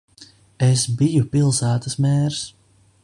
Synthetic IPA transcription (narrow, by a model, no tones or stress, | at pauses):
esbijupilˠsæːt̪əsmɛːɾs